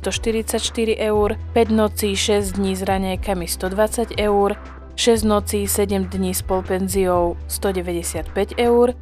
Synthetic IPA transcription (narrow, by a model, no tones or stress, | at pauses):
st̪ɔʃt̪iɾit͡sacʃt̪iɾiʔɛuɾpɛɟnɔt͡siːʃɛzd̪ɲiːzɾaɲɛjkamist̪ɔd̪ʋat͡saɟɛuɾ | ʃɛzɟnɔt͡siːsɛɟɛmd̪ɲiːspɔlpɛnziɔʊst̪ɔɟɛʋɛɟɛsɪat̪pɛɟɛuɾ